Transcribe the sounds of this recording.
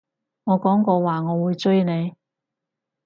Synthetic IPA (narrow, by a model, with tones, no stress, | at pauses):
ŋɔː˨˧kɔː˨˥ŋkɔː˧waː˨ŋɔː˨˧wuː˨˧jt͡ʃɵ˥ɥne˨˧j